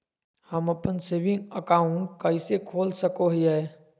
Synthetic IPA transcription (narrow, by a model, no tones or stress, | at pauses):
həməpənseːbɪ̃ŋɡəkaːʊ̃ɳʈ̚kɐisekʰoːlsəkoɦiɛ